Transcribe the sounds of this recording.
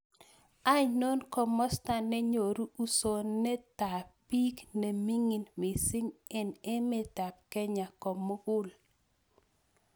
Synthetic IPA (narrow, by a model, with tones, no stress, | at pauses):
a˦ɲno˦nkɔ˨mːɔ˦sta˦˨nːɛ˦ɲo˨ɾu˦u˦so˨nːɛ˦ta˨pi˦kne˨mi˦ŋi˨nmɪ˨sɪ˦ŋɛ˦˨ne˦me˨ta˨p̚kɛ˦ɲa˨kɔ˨mːo˦ɡʊ˦l